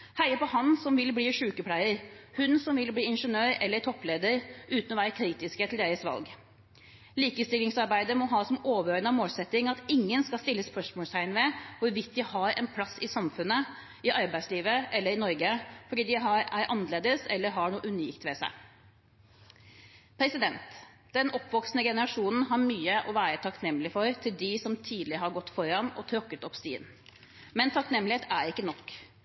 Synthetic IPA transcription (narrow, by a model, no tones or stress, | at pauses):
hæɪəpɔhɑnsɔmʋɪlbliːʂʉːkəpʰlæɪəɾhʉnsɔmʋɪlbliːɪnʂənøːɾɛ̰lːəɾt̪ʰɔpːleːd̪əɾʔʉːt̪ənɔʋæːɾəkʰɾiːt̪ɪskət̪ʰɪld̪eːɾəsʋɑ̰lɡ | liːkəst̪ɪlːɪŋsɑɾbæɪd̪əɾmɔɦɑːsɔmoːʋəøːɾənɑmoːlsɛt̪ːɪŋɑt̪ɪŋːənskɑst̪ɪlːəspœʂmɔːlst̪ʰæɪnʋɛʋʊɾʋɪt̪̚ːd̪ɪhɑɾɛ̰npʰlɑsɪsɑmfʉnːə | ɪʔɑɾbæɪsliːʋəʔɛlːəɾɪnɔɾɡəfɔɖiːd̪ɪɦɑɾæɾʔɑnəleːd̪əsɛ̰lːəɾɦɑɳuːəʔʉniːkt̪ʋɛsæ̰ɪ | pʰɾɛsɪd̪ɛnt̪ | d̪̥ɛnɔpːʋɔksnəɡɛnəɾɑʂuːnn̩ɦɑɾmyːəʔɔʋæːɾət̪ʰɑknɛmːlɪfɔɾt̪ʰɪld̪ɪsɔmt̪ʰiːd̪lɪəɦɑɾɡɔt̪ːfɔɾɑnɔt̪ʰɾɔkːət̪ɔpst̪ḭːn | mɛnt̪ʰɑknɛmːlɪeːt̪æɾɪkːənɔkː